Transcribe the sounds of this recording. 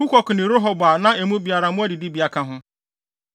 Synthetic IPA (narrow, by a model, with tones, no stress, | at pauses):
u˦kʷɔ˨kʰʊ˨nɪ̃˨ɾo˦ɦo˨ba˨nã˦e˨mũ˦bi˨a˨ɾa˨mʊ̃˦æ˦di˨di˦bi˨a˨kʰã˦ɦʊ̃˦